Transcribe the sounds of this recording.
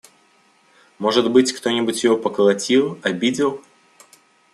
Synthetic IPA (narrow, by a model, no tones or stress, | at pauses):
mo̞ʐɨd̪bɨtʲkt̪o̞nʲɪbʊtʲjɪvo̞pəkəlˠɐtʲilˠɐbʲidʲɪlˠ